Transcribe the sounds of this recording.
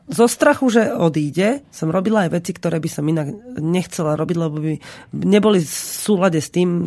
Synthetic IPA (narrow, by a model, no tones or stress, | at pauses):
zɔst̪ɾaxuʒɛɔd̪iːɟɛsɔmɾɔbilaːjʋɛt͡sikt̪ɔɾɛːbisɔminaɡɲɛxt͡sɛlaɾɔbiɟlɛbɔbiɲɛbɔlifsuːlaɟɛst̪iːm